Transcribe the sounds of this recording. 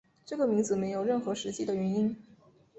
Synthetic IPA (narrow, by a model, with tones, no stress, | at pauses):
ʈ͡ʂɤ˥˩ɡə˩mi˧˥ŋd͡zɹ̩˨˩me˧˥ɪjo˨˩ʊɻə˥˩nxɤ˧˥ʂɻ̩˧˥t͡ɕi˥˩d̪ə˨ɥɛ˧˥ni˥n